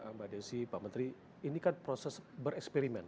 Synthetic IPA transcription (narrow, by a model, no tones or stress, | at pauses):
əmbadɛnsipamənt̪ɾi | inikanpɾosɛsbəɾɛkspɛɾimɛn